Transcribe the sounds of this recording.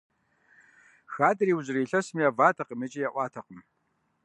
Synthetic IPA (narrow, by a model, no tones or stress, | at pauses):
xaːtʼriːwʑɪriːɬɐsmijavaːtʰɐqəmet͡ʃʼijɛʔʷɑːtʰɐqəm